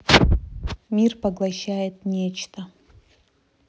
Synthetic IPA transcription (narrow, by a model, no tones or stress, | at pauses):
mʲirpɐɡlˠɐɕːajɪt̪̚nʲet͡ɕt̪ʰə